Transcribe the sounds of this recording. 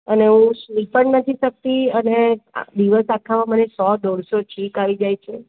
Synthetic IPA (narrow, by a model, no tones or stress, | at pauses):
əneũʃipəɳnət̪ʰiʃək̚t̪iənḛd̪iʋəsakʰamãmənesɔd̪ɔɽsot͡ʃʰikaʋid͡ʒajt͡ʃʰe